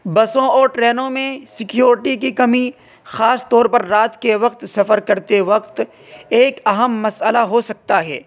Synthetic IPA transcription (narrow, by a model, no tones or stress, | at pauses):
bɐsõɔːɾʈɾɛːnõmẽsɪkjoːɾɪʈik̬ikɐmi | xaːst̪ɔːɾpɐɾːaːt̪keʋɐqt̪sɐfəɾkɐɾt̪eʋɐqt̪ | eːkɐɦəmːɐsəlaɦosɐk̚t̪aɦɛ̰ː